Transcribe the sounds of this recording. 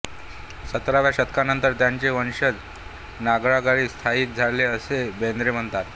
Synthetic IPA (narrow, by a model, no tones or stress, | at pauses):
sət̪ɾaʋjaɕət̪̚kanənt̪əɾt̪jaɲt͡ɕeʋənɕəd͡z | naɡɭaɡaɭiːst̪ʰaiːt̪̚d͡zʱaɽleəsebend̪ɾem̤əɳt̪at̪